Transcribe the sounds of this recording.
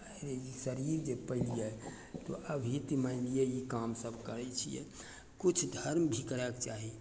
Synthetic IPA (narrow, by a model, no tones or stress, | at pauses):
əɾeisəɾiɾd͡ʒepəɪlijɛ | t̪o̰ʔəbʱit̪imaɪlijeikamsəbʱkəɾɛt͡ʃʰḭjɛ̰ | kut͡ʃʰd̪ʱəɾmbʱikəɾɛkt͡ʃaɦi